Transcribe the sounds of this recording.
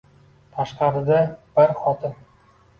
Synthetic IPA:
t̪ʰaʃqɑɾɪd̪ab̥ɪɾχɒt̪ʰɪn

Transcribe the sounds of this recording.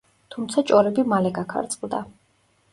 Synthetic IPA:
t̪ʰumt̪sʰat͡ʃʼɔɾɛbimalɛɡakʰa̰ɾt̪sʼqʼvd̪a

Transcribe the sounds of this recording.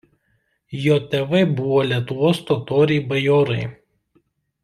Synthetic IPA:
joːt̪ʲɛʋɐɪbʊʋoːlʲiɛt̪ʊʋoːst̪oːt̪oːɾʲɛɪbɐjoːɾɐɪ

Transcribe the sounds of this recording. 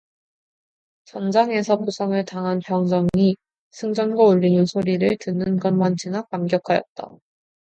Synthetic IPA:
t͡ɕʌnd͡ʑaŋe̞sʰʌpusʰʌŋɯɭtaŋɦanpjʌŋd͡ʑʌŋi | sʰɯŋd͡ʑʌnɡwauʎːinɯnsʰoɾiɾɯɭtɯnːɯnɡʌnmand͡ʑʰinakamɡjʌkʰajʌ̰t̚t͈a̰

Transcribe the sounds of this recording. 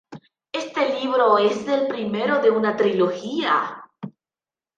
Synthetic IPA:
est̪e̞liβɾo̞ezðe̞lpɾimeɾoðe̞unat̪ɾiloxia̰

